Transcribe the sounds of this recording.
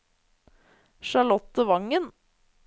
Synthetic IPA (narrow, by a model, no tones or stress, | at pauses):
ʃɑɭɔt̪əʋɑŋən